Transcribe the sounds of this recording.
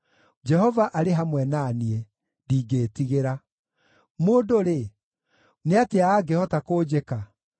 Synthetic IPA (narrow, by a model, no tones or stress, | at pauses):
d͡ʒɛɦɔvaʔaɾeɦamwɛnaːniɛ | diːɡeːtiɣeɾa | moːdoɾe | neateaːɡehɔtakoːd͡ʑeka